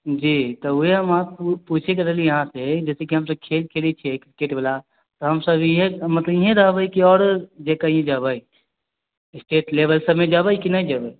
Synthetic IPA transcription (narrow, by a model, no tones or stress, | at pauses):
d͡ʒiːt̪ɔuɦeɦəmapput͡ʃʰekɐɾelijɐɦãsed͡ʒɛːsekiɦəmsəb̚kʰeːlkʰeːlit͡ʃʰɛekɾikeʈbela | t̪ɔɦəmsəbɦẽmət̪ləbiɦẽɾəɦbəikiɔːɾd͡ʒekaiẽd͡ʒabəi | ɪsʈeːʈlebəlsəmẽd͡ʒabəikinaĩd͡ʒabə